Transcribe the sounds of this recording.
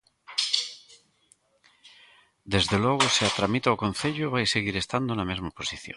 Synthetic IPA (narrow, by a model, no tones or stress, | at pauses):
d̪ezðeloɣ̞oseat̪ɾamit̪aokõn̟θeʎoβajseɣ̞iɾe̞st̪and̪onamezmaposiθjõ